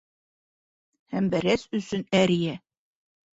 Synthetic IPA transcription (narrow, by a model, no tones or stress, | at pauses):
hæmbæɾæsɵ̆sɵnæɾijæ